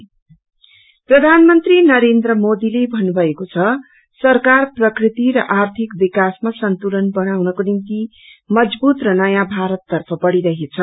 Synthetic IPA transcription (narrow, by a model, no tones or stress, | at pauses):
prʌd̪ʱanmʌnt̪rinʌɾend̪ɾʌmod̪ilebʱʌnːubʱʌekot͡sʰʌ | sʌrkarprʌkrit̪iɾʌʔart̪ʰikbikasmasʌnt̪ulʌnbʌnawnʌkonimt̪i | mʌd͡zbut̪rʌnʌjabʱaɾʌt̪ːʌrpʰʌbʌɽiɾʌɦet͡sʰʌ